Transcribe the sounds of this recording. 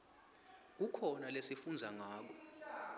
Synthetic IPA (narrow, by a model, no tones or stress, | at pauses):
k̬ukʰɔnalesifund͡zʱaŋaːk̬ɔ